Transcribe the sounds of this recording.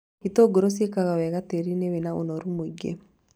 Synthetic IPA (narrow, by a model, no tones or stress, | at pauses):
itoɡoɾos̬jekaɣawɛɣateɾinewenao̰nɔɾumoiɡḛ